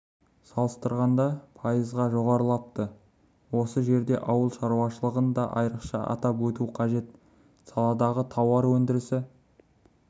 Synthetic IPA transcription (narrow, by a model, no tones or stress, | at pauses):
sɑlˠəst̪əɾʁɑnd̪ɑpʰɑjəzʁɑʒo̞ʁɑɾlˠɑp̚t̪ə | wo̞səʒe̞ɾd̪e̞ʔɑwəlˠʃɑɾuwɑʃəlˠəʁənd̪ɑʔɑ̰jɾəqʃɑ̰ʔɑ̰t̪ɑpwɵt̪uqʰɑʒe̞t̪ | sɑlˠɑd̪ɑʁət̪ʰɑwɑɾwɵnd̪ɪɾɪsɪ